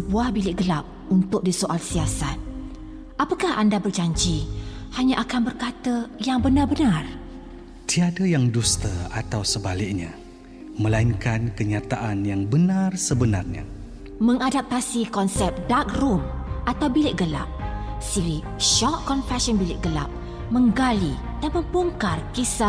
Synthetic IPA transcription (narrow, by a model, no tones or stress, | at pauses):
səbuahbilɪk̚ɡəlap̚ | unt̪ʊk̚disoʔalsiasat̪̚ | apəkahandabərd͡ʒaɲd͡ʒihaɲaʔakanbərkat̪əjaŋbənarbənar | t̪iadajaŋdust̪əat̪awsəbalɪk̚ɲa | məlaiŋkankəɲat̪aʔanjaŋbənarsəbənarɲa̰ | məŋadap̚t̪asikɔnsɛp̚dak̚rumʔat̪awbilɪʔ̚ɡəla̰p̚siɾiʃɔʔkːɔnfɛsɔnbilɪʔ̚ɡəla̰p̚ | mə̃ŋɡali | danmə̃mpuŋkarkisa